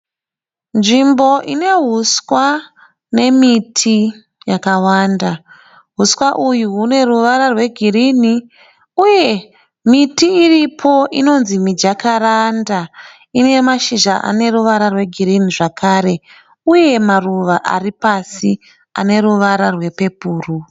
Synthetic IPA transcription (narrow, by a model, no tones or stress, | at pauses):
nʐimbo̞ʔine̞ɦuswa | ne̞mitʰi | jakawaːnda | ɦuswaʔujuɦune̞ruʋaɾarwe̞ɡʱiɾini | uje̞ | mitiːripʰo̞ʔino̞nzimid͡ʒakaɾanda | ine̞maʃiʒaʔa̰ne̞ruʋaɾarwe̞ɡʱiɾiniʐakʰaːɾe̞ | uje̞maruʋaʔa̰ripasi | a̰ne̞ɾuʋaɾarwe̞pe̞puːru